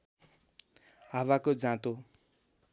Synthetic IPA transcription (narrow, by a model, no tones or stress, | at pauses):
ɦawakod͡zãt̪o